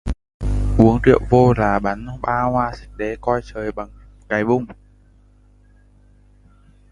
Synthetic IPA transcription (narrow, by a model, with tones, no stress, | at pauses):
ʔu˨˦əŋtḭ˧˨ə˨wvo˧laː˨˩ɓa˨˦nɓaː˧hwaː˧˩si̥˨˦k̚ɗe˨˦kɔ˧jt͡ɕəː˨˩jɓa˨˩ŋ | kaː˨˦jɓʊ˧ŋ͡m